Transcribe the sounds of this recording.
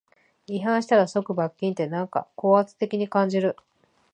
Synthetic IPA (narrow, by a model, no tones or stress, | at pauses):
iɦãɰ̃ɕi̥t̪aɾaso̞kɯ̟bakʲːĩnt̪e̞nãŋka̰ko̞ːat͡sɨ̥t̪e̞kʲiɲ̟ikãɲ̟d͡ʑiɾɯ̟